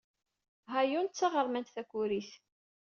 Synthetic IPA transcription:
ɦajunt͡sːɑʁəɾˤmænt̪θækːuɾiθ

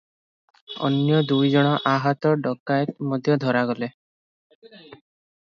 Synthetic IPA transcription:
ɔ̰njɔd̪ujd͡ʒɔɽ̃ɔʔaɦɔt̪ɔɖɔkːaet̪̚mɔd̪ʱjɔd̪ʱɔɾaɡɔle

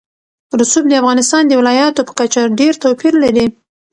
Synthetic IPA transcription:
ɾʊsub̚d̪əafɣɑnɪst̪ɑnd̪əwɪlɑjɑt̪opə̥kat͡ʃaɖeɾt̪apiɾlaɾi

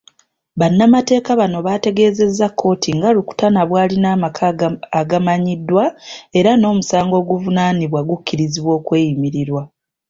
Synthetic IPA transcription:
βanːamate̞ːkaβano̞βaːte̞ɡe̞ːze̞zːakʰːo̞ːtʰiŋɡaluku̥tanaβwaːlinaːmakʰaːɡamaɲidːwae̞ɾano̞ːmusaːŋɡo̞ːɡuvunaːniβwaɡukːiɾiziβwo̞ːkwe̞ːjimiɾiɾwa

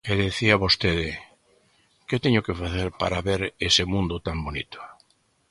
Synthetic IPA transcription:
eðeθiaβost̪eðɪ | ket̪eɲʊkefaθeɾpaɾaβeɾesɪmũnd̪ʊt̪ambonit̪ʊ̥

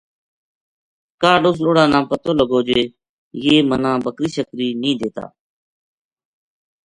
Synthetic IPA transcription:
kaːɖoːs̬loːɽãːnãːpət̪oːləɡoːd͡ʒeː | jeːmənãːbəkɾiːʃəkɾiːnĩːd̪eːt̪a̰ː

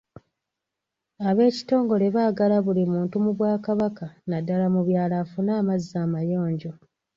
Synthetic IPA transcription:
aβe̞ːci̥to̞ːŋɡo̞le̞βaːɡalaβulimuːntumuβwaːkaβakanadːalamuβjaːlafunaːmazːaːmajo̞ːɲɟo̞

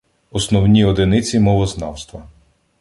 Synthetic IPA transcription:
ɔsnɔwnʲiɔd̪ɪnɪt͡sʲimɔʋɔznɑwst̪ʋɐ

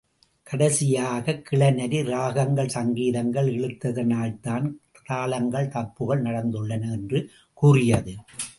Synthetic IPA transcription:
kʰɐɽɐsɪjaːɣɐkːɪɭɐnɐɾiɾaːɣɐŋɡɐɭsɐŋɡiːðɐŋɡɐɭɛɻɯt̪ːɐðɐnaːlt̪aːn | t̪aːlɐŋɡɐɭt̪ɐpːɯɣɐɭnɐɽɐnd̪ɯɭːɐnɐɛndrɯ | kuːrɪjɐðɯ

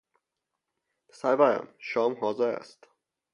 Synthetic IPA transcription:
sæjvæɾæ̰mʃɒːmɦɒːzeɾæ̰st̪

